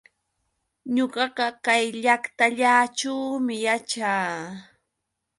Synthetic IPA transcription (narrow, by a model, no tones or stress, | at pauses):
ɲoɢɑɢɑkajʎakt̪aʎaːʈ͡ʂawmɪjat͡ʃaː